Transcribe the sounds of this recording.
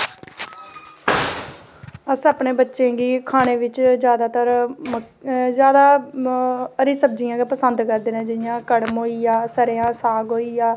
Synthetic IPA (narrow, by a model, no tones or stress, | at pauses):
əsəːpneːbətːʃẽːɡiːkʰaːneːʋɪt͡ʃzjaːd̪aːt̪əɾmə | zjaːd̪aː | əɾiːsəb̚d͡ʒijãːɡepəsənd̪kəɾd̪eːnẽːd͡ʒɪjãːkəɽmɦoːiːjaːsəɾeːãːsaːɡɦoːiːjaː